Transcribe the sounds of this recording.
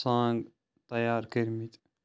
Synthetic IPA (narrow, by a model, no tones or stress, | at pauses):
sãːŋɡ | t̪ɐjaːɾkəɾmit̪